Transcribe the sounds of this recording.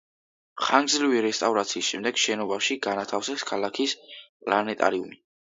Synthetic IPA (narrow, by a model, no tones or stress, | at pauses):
χaŋɡzliviɾɛst̪ʼavɾat̪sʰiːsʃɛmd̪ɛɡ̥ʃɛnɔbaʃiɡanat̪ʰafsɛskʰalakʰispʼlanɛt̪ʼa̰ɾiṵmi